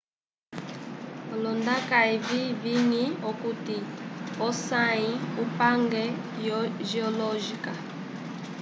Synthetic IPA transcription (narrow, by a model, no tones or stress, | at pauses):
ɔlɔndakaiviviniɔkutiɔsaiupaŋɡɛ | jɔʒiɔlɔʒika